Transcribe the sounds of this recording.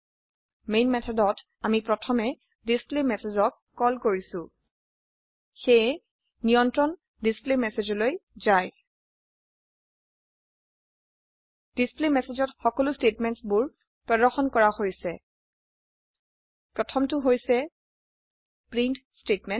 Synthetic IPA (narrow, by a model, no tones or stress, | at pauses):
mejnmɛtʰɔdɔt | amipɹɔtʰɔmɛ | displemɛsezɔkːɔlkoɹisʊ̃ | xej | nijɔntɹɔn | displemɛsezɔlojzaj | d̥isplemɛsezɔtxɔkɔlʊstetmɛntsbʊɹ | pɹɔdɔɹxɔnkɔɹaxojsɛ | pɹɔtʰɔmtʊɦojsɛ | pɹintstetmɛn